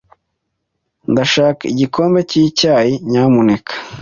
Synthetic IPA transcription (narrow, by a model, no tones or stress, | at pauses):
ndaʃaːkaiɟikʰo̞ːmbe̞ciːcaːjiɲaːmune̞kʰḁ